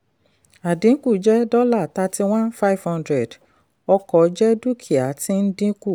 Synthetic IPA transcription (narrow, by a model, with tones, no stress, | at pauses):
a˨dĩ˨˦ku˦˨d͡ʒɛ˦dɔ˦la˦˨ta˧ti˧w̃ã˦nfa˦i˨vhã˦ndɾɛ˨d | ɔ˧kɔ˨˦d͡ʒɛ˦du˦kʰi˨a˨˦tĩ˦n̩˦dĩ˦ku˦˨